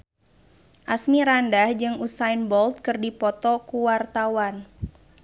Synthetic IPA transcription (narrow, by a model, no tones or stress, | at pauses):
ʔasmiɾandahd͡ʒɨŋusainbɔlt̪̚kɨrdipɔt̪ɔkuwart̪awan